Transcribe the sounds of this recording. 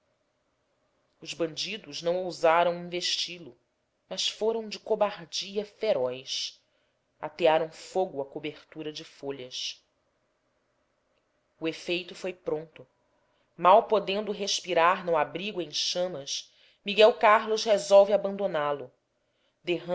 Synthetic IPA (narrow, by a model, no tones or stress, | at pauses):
ʊzbɐ̃nd͡ʒid̪ʊznɐ̃w̃owzaɾɐ̃w̃ĩveʃt͡ʃilʊ | mɐsfoɾɐ̃w̃d͡ʒɪkobaɾd͡ʒiɐfeɾɔjs | a̰t̪eaɾɐ̃w̃foɡʊɐkobeɾt̪uɾɐd͡ʒɪfoʎɐs | uefejt̪ʊfojpɾõnt̪ʊ | mawpod̪ẽnd̪ʊɦeʃpiɾaɾnʊabɾiɡʊẽj̃ʃɐ̃mɐʃ | miɡɛwkaɾlʊzhezɔwvɪabɐ̃nd̪onalʊ | d̪eɦ